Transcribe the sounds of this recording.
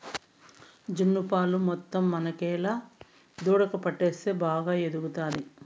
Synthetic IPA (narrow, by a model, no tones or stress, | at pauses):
d͡ʒunːupaːlumɔt̪ːɐmːɐnɐkɛːlaː | d̪uːɽɐkɐpɐʈːeːst̪eːbaːɡaːed̪uɡut̪aːd̪i